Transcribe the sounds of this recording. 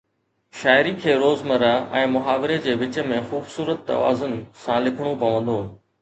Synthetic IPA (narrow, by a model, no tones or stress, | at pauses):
ʃaːɪɾikʰeːɾoːzmɐɾəɛ̃ːmʊɦaːʋɪɾed͡ʑeːʋɪt͡ɕə̆mẽxuːbsuːɾət̪ːɐ̰ʋa̰ːzənɪ̆sãlɪkʰəɽ̃opɐʋə̃nd̪oː